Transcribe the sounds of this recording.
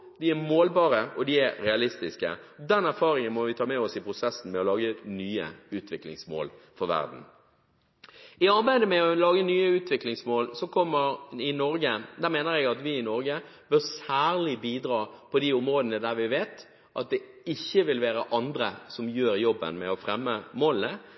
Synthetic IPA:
d̪ɪæɾmoːlbɑːʁəɔd̪ɪæɾɾɛɑlɪst̪ɪskə̰d̪ɛnæɾfɑːɾɪŋənmɔʋɪt̪ʰɑːmɛɔsɪpʰɾʊsɛsn̩mɛɔlɑːɡənyːə̰ʉːt̪ʋɪklɪ̰ŋsmo̰ːlfɔɾʋæ̰ʁd̪n̩ | ɪɑɾbæɪd̪əmɛɔlɑːɡənyːəʉːt̪ʋɪklɪŋsmoːlsɔkʰɔmːəɾɪnɔɾɡəd̪æːʁmeːnəɾjɛɡɑt̪ʋɪɪnɔɾɡə | bɪsæːɾlɪbiːd̪ɾɑːpʰɔd̪iɔmɾoːd̪ənəd̪æɾʋɪʋeːt̪ | ʔɑt̪̚d̪ɛ | ɪçːəʋɪlʋæːɾəʔɑnd̪ɾəsɔmjøːɾjɔbːə̰nmɛɔfɾɛmːəmoːlnə

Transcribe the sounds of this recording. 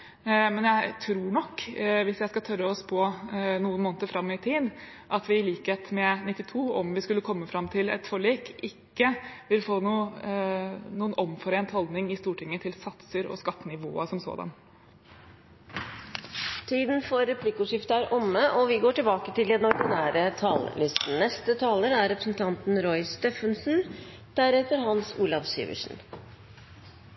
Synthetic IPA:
mɛnjæɪt̪ʰɾuːɳɔkːʋɪsjæɪskɑt̪ʰœɾəɔspʰɔnuːənmoːnət̪əɾfɾɑmːɪt̪ʰiːd̪ʔɑt̪ʋɪːliːkheːt̪mɛnɪt̪ːɪt̪ʰuːɔmʋɪskʉlːəkʰɔmːəfɾɑmːt̪ʰɪlɛ̰t̪fɔɭiːkɪkːəʋɪlfoːnuː | nuːənʔɔmfɔɾeːnt̪hɔld̪nɪŋɪst̪uːʈʰɪŋːət̪ʰɪlsɑt̪səɾɔ̰skɑt̪ːənɪʋo̰ːəsɔmso̰ːd̪ɑ̰n | t̪ʰiːd̪nfɔɾɛpʰlɪkʉʂɪft̪əæɾʔɔmːəʔɔʋɪɡoːʈɪlbɑːkət̪ʰɪld̪ɛnɔɾɡɪnæːɾət̪ʰɑːllʏst̪n̩nɛst̪ət̪ʰɑːləɾæɾɾɛpɾəsn̩t̪ʰɑnt̪n̩ɾɔʏst̪ɛːfənsn | d̪̥æɾɛt̪əɾɦɑnsuːlɑʋsḭːʋə̰ʂn̩

